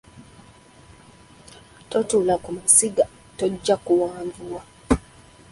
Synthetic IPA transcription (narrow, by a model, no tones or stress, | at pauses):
tɔtulakumasiɡa | tɔd͡ʒakuwaːnvuwa